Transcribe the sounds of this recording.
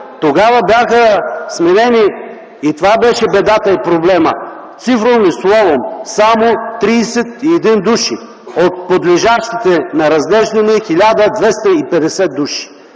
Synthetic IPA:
t̪oɡavəbjaxəsmɛɾɛniː | t̪ovabɛʃɛbɛd̪at̪ɐipɾoblɛmə̰ | t̪sifɾovnislˠɔvomsamot̪ɾiːsɛt̪iɛd̪ind̪uʃi | ot̪̚pod̪liʒaʃt̪it̪ɛnɐɾɐzlɛʒd̪ɐnɛxilʲad̪əd̪vɛst̪ɐipɛd̪ɛsɛd̪̚uʃi̥

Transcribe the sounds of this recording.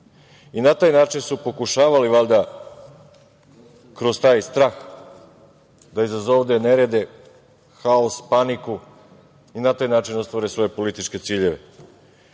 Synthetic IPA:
inat̪aːjnaːt͡ʃinsupo̞kuʃaːʋaliʋalʲd̪a | kɾost̪aːjst̪ɾaːx | d̪aizazoʋd̪eneɾed̪e̞ | xaospaniku | inat̪aːjnaːt͡ʃino̞st̪ʋaɾesʋo̞je̞po̞lit̪it͡ʃke̞t̪siːʎe̞ʋḛ

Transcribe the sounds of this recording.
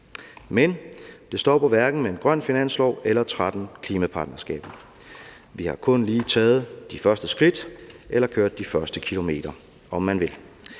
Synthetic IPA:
mend̥e̝sd̥ɒ̰ːpʰɒ̽ʋæɐɡ̥n̩mee̝nɡ̥ʁɶn̰finæn̰slɒʊ̰elɐt͡sʰʁad̥n̩kʰliːmæpʰɑ̈ːd̥nɐsɡ̥ɛ̰ːb̥n̩ | ʋihɑ̈kʰɔ̽nliːt͡sʰɛːð̞̩ˠd̥ifɶɐsd̥əsɡ̥ʁid̥ʔelɐkʰøɐ̰d̥ːifɶɐsd̥əkʰilo̝me̝̰ːd̥ɐ | ɒ̽mːænʋe̝l

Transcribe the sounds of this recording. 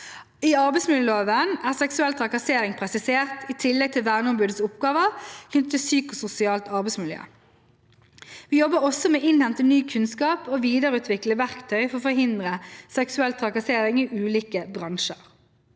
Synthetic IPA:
iːɑʁbɛɪsmɪljøːloːʋənæːʁsɛksʉɛlt̪ʰʁɑkɑseːʁɪŋpʰʁɛsɪseːʁt̪iːt̪ʰɪlːɛɡ̚t̪ʰɪlʋæːʁnəɔmbʉːd̪əsʊpɡɑːʋəʁçʏnt̪t̪ʰːɪsyːkʊsʊsɪɑːlt̪ɑʁbɛɪsmɪljø̰ː | ʋiːjɔbːəʁɔsɔmɛːʔɪnhɛnt̪ənyːkʰʉnskɑːpoːʋiːd̪əʁɾʉːt̪ʰʋɪkləʋæʁkt̪ʰœʏfɔʁɔːfɔhɪnd̪ʁəsɛksʉɛlt̪ʰʁɑkɑseːʁɪŋiːʔʉːliːkəbʁɑŋʃə̰ʁ

